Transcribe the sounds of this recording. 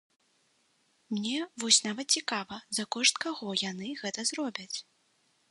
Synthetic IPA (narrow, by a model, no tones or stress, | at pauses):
mnʲɛvɔsʲnavɐt̪̚t͡sʲikavɐzɐkɔʂt̪kaɣɔjan̪ɨɣɛt̪ɐzrɔbʲɐt͡sʲ